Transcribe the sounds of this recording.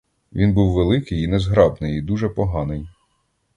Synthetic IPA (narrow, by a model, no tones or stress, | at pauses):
ʋʲinbuwʋelˠɪkɪjinɛzɦɾɑbnɪjid̪uʒɛpɔɦɑnɪj